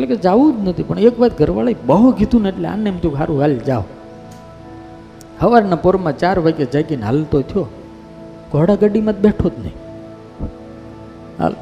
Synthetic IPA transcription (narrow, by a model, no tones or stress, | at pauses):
eʈleked͡ʒaʋũd͡ʒnət̪ʰipəɳekʋat̪ɡʱəɾʋaləibəɦuɡʱit̪ũneʈlea̰nemt̪ʰũkʰaɾũɡald͡ʒaʋ | həʋaɾnapoɾmãt͡ʃaɾʋəked͡ʒajkinɦa̰lt̪ot̪ʰijo | ɡʱoɽaɡəɖimãt̪̚beʈʰod̪nə̰ĩ | a̰l